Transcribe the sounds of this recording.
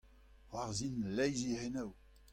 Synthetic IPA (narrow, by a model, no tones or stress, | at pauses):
ʁwaʁzinlɛjziʁenaw